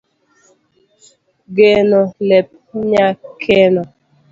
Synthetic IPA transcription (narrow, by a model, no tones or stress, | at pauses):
ɡenolɛp̚ | ɲakʰenɔ